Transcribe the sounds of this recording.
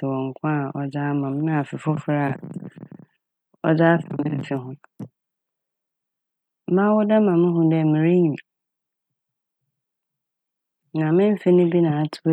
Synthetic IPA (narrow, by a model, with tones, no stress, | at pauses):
ɪ˨wɔ̃˨ŋ̩˨kʰʊ̃˦a˨ɔ˨d͡ʑaː˦mã˨m˦nã˦˨a˨fɪ˨fʊ˦fɾa˦˨ | ɔ̰˦d͡ʑaː˦fa˨mɪ̃˦m̩˨sɪ˦ɦʊ̃˦ | mã˦wʊ˦da˦mã˨mɪ̃˦ɦʊ̃˦dɛ˦˨mɪ̃˨ɾe˦ɲĩ˨ | nã˨mɪ̃˦m̩˦fɪ˦nɪ̃˦bi˦nãː˨a˦tʰʊ̥˦b